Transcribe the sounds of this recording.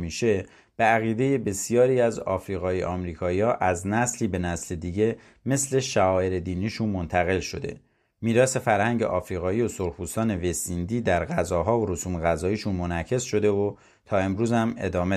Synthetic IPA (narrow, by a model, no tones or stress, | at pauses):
miːʃe̞ | b̥e̞æɣiːd̪e̞je̞be̞sijɒːɾiːæzɒ̰ːfɾiːɣɒːjḛʔɒːmɾiːkʰɒːiɒːʔæznæsliːbe̞næsle̞d̪iːɟe̞ | me̞sle̞ʃæɒːeɾe̞d̪iːniːʃunmo̞nt̪ʰæɣe̞lʃo̞d̪e̞̰ | miːɾɒːse̞fæɾhæɲɟḛʔɒːfɾiːɣɒːiːo̞soɾpuːst̪ɒːne̞vesind̪iːd̪æɾɣæzɒːɦɒːvoɾosuːmeɣæzɒːiːʃunmo̞næcʰe̞sʃo̞d̪e̞o | t̪ʰɒːe̞mɾuːzæme̞̰d̪ɒːme